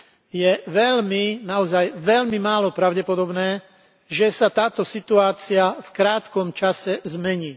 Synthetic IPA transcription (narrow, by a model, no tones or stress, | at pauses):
jɛʋɛʎminaɔzajʋɛʎmimaːlɔpɾaʊɟɛpɔd̪ɔbnɛː | ʒɛsat̪aːt̪ɔsit̪uaːt͡siafkɾaːt̪kɔmt͡ʃasɛzmɛɲiː